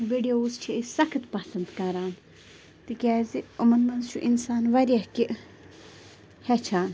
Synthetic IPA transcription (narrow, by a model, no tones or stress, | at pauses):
ʋiɖijoːst͡ʃʰiisɐkʰt̪pɐsɐnd̪kaɾaːn | t̪ikʲɛːziumɐnmɐnzt͡ʃʰuʔinsaːnʋɐɾʲɐhkiʔ | hɛt͡ʃʰaːn